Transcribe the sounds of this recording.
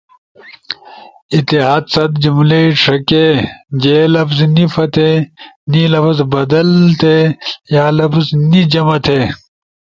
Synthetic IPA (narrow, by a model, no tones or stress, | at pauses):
it̪ːiɦaːd̪sɐd̪d͡ʑumleiʂʰɐked͡ʑeːlɐfznifɐt̪ʰenilɐfzbɐd̪ɐlt̪ʰejaːlɐfznid͡ʑɐmɐt̪ʰeː